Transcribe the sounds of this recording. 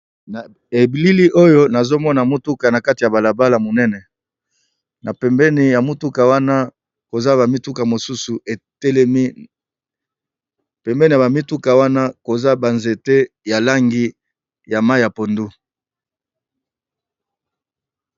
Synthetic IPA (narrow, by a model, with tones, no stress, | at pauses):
n˨ | e˨bi˨li˦li˦ʔo˦jo˦na˨zo˦mɔ˦na˨mu˦tu˦ka˨na˨ka˦ti˨ja˨ba˨la˨ba˦la˨mo˨nɛ˦nɛ˨ | na˨pɛ˨mbɛ˦ni˨ja˨mu˦tu˦ka˨wa˦na˦ | ko˨za˦ba˨mi˦tu˦ka˨mo˨su˦su˨ʔe˨tɛ˦lɛ˦mi˦ | pɛ˨mbɛ˦ni˨ja˨ba˨mi˦tu˦ka˨wa˦na˦ko˨za˦ba˨nze˨te˦ | ja˨la˦ŋɡi˦ | ja˨ma˦i˨ja˨po˨ndu˦